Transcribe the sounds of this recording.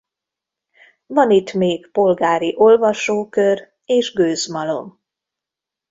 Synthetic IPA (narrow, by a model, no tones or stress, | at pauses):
vɒnit̪meːɡpo̞lɡaːɾiʔo̞lvɒʃoːkør | eːʒɡøːzmɒlo̞̰m